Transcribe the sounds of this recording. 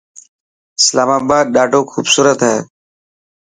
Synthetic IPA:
ɪslaːmaːbaːd̪̚ɗaːʈoːkʰuːbsuːɾət̪ɦɛː

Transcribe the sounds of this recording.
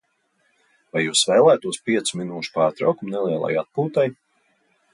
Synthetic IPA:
vajːuːsvɛːlˠæːt̪uɔspiɛt̪suminuːʃu̥paːɾt̪ɾawkumnɛlˠiɛlˠa̰jat̪̚puːt̪aj

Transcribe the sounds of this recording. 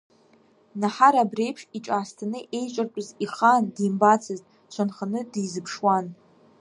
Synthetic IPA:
naħaɾabre̞jpʰʂiʈ͡ʂʼaːstʰanɨʔe̞jt͡ʃʷʼart͡pʼʊziχandimbat͡sʰɨztʼ | ʃʷanχanɨdijzɨpʰʂwan

